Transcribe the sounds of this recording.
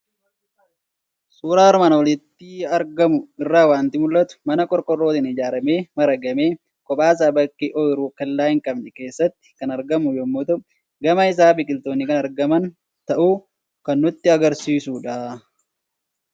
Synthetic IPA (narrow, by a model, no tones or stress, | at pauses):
suːɾaːɾmaːnɐwɔlɪt̪ːɪɐɾɡɐmʊɪrːaːwaːnt̪ɪmʊlːɐt̪ʊ̥mɐnɐkʼɔɾkʼɔrːo̞ːt̪ɪnɪd͡ʒaːɾɐmeːmɐɾɐɡɐme̞ː | kʼɔpʼaːs̬aːbɐkʼːeʔɔɪɾuːkɐlːaːjɪŋkʼɐbnɛke̞ːsːɐt̪ːɪ̥kɐnɐɾɡɐmʊjɔmːʊt̪ʊ | ɡɐmɐɪs̬aːbɪkʼɪlt̪oːnːɪkɐnɐɾɡɐmɐn | t̪ɐʔuː | kɐnːʊt̪ːɪɐɡɐɾsiːsuːᶑaː